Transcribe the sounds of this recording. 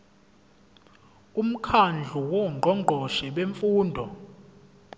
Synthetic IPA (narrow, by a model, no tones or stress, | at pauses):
um̩kʰand͡ɮʱuwɔŋ͡ǃʱɔŋ͡ǃʱɔʃɛɓeɱfuːndʱɔ